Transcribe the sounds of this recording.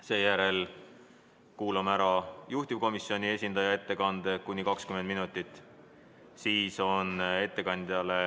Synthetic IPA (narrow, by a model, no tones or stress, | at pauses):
se̞ːjæɾe̞l | kuːlɑmæɾɑjuht̪ivko̞misːio̞nʲie̞sʲind̪̥ɑjɑe̞t̪ːe̞kɑnd̪̥e̞kunʲːikɑkskymenminut̪ːˑit̪ːˑ | siːso̞ne̞t̪ːe̞kɑnd̪ijɑle̞